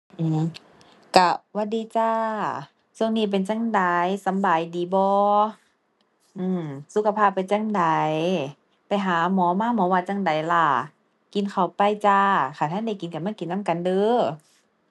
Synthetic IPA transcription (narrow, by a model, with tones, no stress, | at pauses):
ʔɯː˧˩m | ka˧˩waː˧˥diː˧˦t͡ɕaː˧ | su˧ə˨ŋniː˧˩p̬e˨nt͡ɕa˧˨ŋda˨˧jsa˨˦mbaː˨˦jdiː˨˦bɔː˧˦ | ʔɯː˧˩msu˧˦kʰa˧pʰaː˧˩pːa˨jt͡ɕa˧˨ŋda˨˦j | pa˨jɦaː˨˦mɔː˨˦maː˧˥˨mɔː˨˦waː˧t͡ɕa˧˨ŋda˨˩˦jla˧˩ | ki˨˦nkʰa˨˩wpa˧˨jt͡ɕaː˧kʰaː˧˩t̪ʰaː˧˥˨da˧˩˦jki˨nka˧˩maː˧˥˨ki˨nːa˧˥˨mka˨ndɯː˧˦